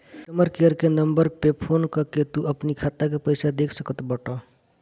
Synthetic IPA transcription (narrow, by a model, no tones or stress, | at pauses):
ʈəməɾkeəɾkenəmbəɾpepʰonkəket̪uʔəpnikʰat̪akepəjsad̪ekʰsəkət̪bəʈa